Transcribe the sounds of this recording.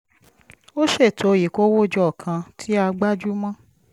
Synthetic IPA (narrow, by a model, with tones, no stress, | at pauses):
o˦ʃe˦˨tʰo˨ji˨ko˦wo˦˨d͡ʒɔ˦˨kʰã˧tʰi˦a˧ɡ͡ba˦d͡ʒu˦mã˦